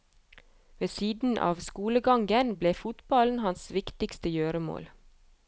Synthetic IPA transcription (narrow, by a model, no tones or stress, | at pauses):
ʋeːsiːd̪n̩ʔɑ̰ːʋskuːləɡɑŋɡənbleːfʊt̪bɑln̩hɑnsʋɪkt̪ɪkst̪əjøːɾəmo̰ːl